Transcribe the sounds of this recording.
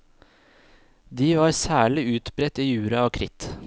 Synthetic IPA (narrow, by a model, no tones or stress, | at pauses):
d̪iːʋɑːɾsæːɭɪʉːt̪bɾɛt̪iːjʉːɾɑoːkʰɾɪt̪